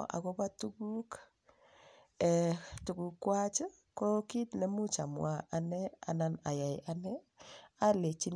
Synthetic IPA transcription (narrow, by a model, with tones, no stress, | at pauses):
ʔa̰˨ko˦ba˦tukuk | ɛ˨tu˨ku˨kːwa˦t͡ʃə˦ | ko˦ki˦tle˦mu˦t͡ʃa˨mwa̰ʔa˨nɛ˦a̰˨na˦na˨ja˨jʔanɛ˦ | a˦le˨t͡ʃi˦n